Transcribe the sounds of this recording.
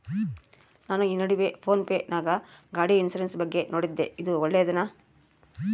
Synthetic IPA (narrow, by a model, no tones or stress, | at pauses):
naːnuiːnɐɽiʋepʰo̞ːnpeːnʔaːɡɐɡaːɽiinsɐɾensbɐɡːe̞nʔoːɽid̪ːeid̪uɔɭːeɐd̪ɐnaː